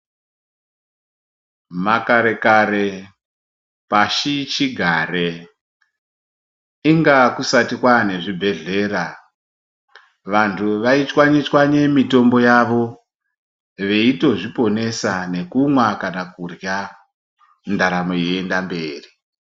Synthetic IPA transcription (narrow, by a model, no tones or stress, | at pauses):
makaɾe̞kaɾe̞ | paʃit͡ʃiɡʱaɾe | iŋɡakusatikwane̞ʐibʱe̞ɮe̞ɾa | ʋantʰuʋait͡ʃwaɲit͡ʃwaɲe̞mito̞mbo̞jaʋo̞ | ʋe̞ito̞ʐipo̞ne̞sane̞kumwakanakurja | ndaɾamo̞jendambe̞ːri